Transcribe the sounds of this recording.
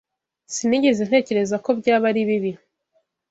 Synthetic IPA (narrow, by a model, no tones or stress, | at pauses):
siniɟezen̥he̞ːce̞ɾe̞zako̞bɟaːβaɾiβiβi